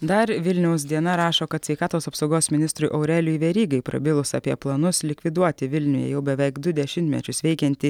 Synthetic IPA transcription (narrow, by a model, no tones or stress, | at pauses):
d̪ɐɾʋʲɪlʲnʲɛʊs̬d̪ʲiɛnɐɾɑːʃoːkɐt̪sʲʋʲɛɪkɑːt̪oːsɐpsoʊɡoːsmʲɪnʲɪst̪ɾʊjʔoʊɾʲɛlʲʊiːʋʲɛɾʲiːɡɐɪpɾɐ̰bʲɪlˠʊsɑ̰ːpʲiɛplˠɐnʊslʲɪkʲʋʲɪd̪uɔt̪ʲɪʋʲɪlʲnʲʊjɛ̰jɛʊbʲɛʋʲɛɪkd̪ʊd̪ʲɛʃʲɪnʲt̪ʲmʲɛ̰t͡ʃʲʊsʋʲɛɪkʲɛnʲt̪ʲɪ